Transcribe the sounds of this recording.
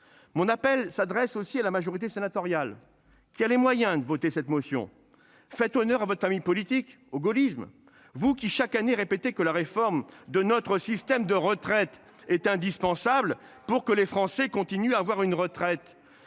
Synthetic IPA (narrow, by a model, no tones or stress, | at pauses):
mɔ̃napɛlsad̪ʁɛsosialamaʒɔʁit̪esenat̪ɔʁjal | kʲialemwajɛ̃d̪əvot̪esɛt̪mɔsjɔ̰̃ | fɛt̪ɔnœʁavɔt̪χəfamijpɔlit̪ik | oɡɔlism | vukʲiʃakaneʁepet̪ekəlaʁefɔʁmd̪ənɔt̪χəsist̪ɛmd̪əʁət̪χɛt̪ | ɛt̪ɛ̃d̪ispɑ̃sabl | puʁkəlefχɑ̃sɛkɔ̃t̪inyaːvwaʁynʁət̪χɛt̪